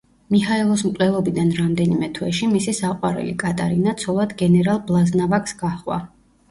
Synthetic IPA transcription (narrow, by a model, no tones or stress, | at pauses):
mihaɛlˠɔsmkʼlɛlˠɔbid̪anɾamd̪ɛnimɛt̪ʰwɛʃimisisaqʼwaɾɛ̰lḭkʼat̪ʼaɾinat̪sʰɔlˠad̪ɡɛnɛɾalˠblˠaznavakʰʼsɡaχwa̰